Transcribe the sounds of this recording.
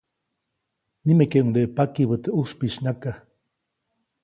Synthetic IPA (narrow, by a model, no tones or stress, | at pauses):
nimekeund̪eʔpakiβət̪euspiʃnaka